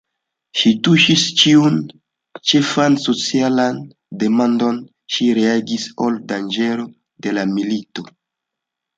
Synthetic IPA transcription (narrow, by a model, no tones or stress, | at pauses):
ʃituʃist͡ʃiun | t͡ʃe̞fanso̞t͡sialan | de̞mando̞n | ʃiɾeaɡisoldand͡ʒe̞ɾo̞ | de̞lamilito̞